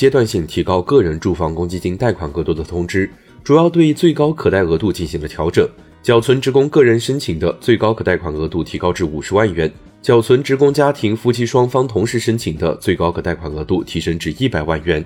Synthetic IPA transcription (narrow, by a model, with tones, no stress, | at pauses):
t͡ɕjɛ˥t̪wa˥˧nɕi˥˩ŋt̪ʰi˧˥kɑ˥ʊkɤ˥˩ɻə˧˥nʈ͡ʂu˥˩fɑ˥ŋkʊ˥ŋt͡ɕi˥t͡ɕi˥˧ŋt̪a˥˩ɪkʰwa˨˩nɤ˧˥t̪u˥˩d̪ə˩t̪ʰʊ˧˥ŋʈ͡ʂɻ̩˥ | ʈ͡ʂu˨˩jɑ˥˧ʊt̪we˥˧ɪ˥t͡swe˥˩ɪkɑ˥ʊkʰɤ˨˩t̪a˥˩ɪɣɤ˧˥t̪u˥˧t͡ɕi˥˩nɕi˧˥ŋlə˧t̪ʰjɑ˧˥ʊʈ͡ʂɤ˨˩ŋ | t͡ɕjɑ˨˩ʊt͡sʰwə˧˥nʈ͡ʂɻ̩˧˥kʊ˥ŋkɤ˥˩ɻə˧˥nʂə˥nt͡ɕʰi˨˩ŋd̪ə˦t͡swe˥˩ɪkɑ˥ʊkʰɤ˨˩t̪a˥˩ɪkʰwa˨˩nɤ˧˥t̪u˥˩t̪ʰi˧˥kɑ˥ʊʈ͡ʂɻ̩˥˩u˨˩ʂɻ̩˧˥wa˥˩nɥɛ˧˥n | t͡ɕjɑ˨˩ʊt͡sʰwə˧˥nʈ͡ʂɻ̩˧˥kʊ˥ŋt͡ɕja˥t̪ʰi˧˥ŋfu˥t͡ɕʰi˥ʂwɑ˥ŋfɑ˥ŋt̪ʰʊ˧˥ŋʂɻ̩˥˩ʂə˥nt͡ɕʰi˨˩ŋd̪ə̰˦t͡swe˥˩ɪkɑ˥ʊkʰɤ˨˩t̪a˥˩ɪkʰwa˨˩nɤ˧˥t̪u˥˩t̪ʰi˧˥ʂɤ˥ŋʈ͡ʂɻ̩˥˧i˥˩pa˨˩ɪwa˥˩nɥɛ˧˥n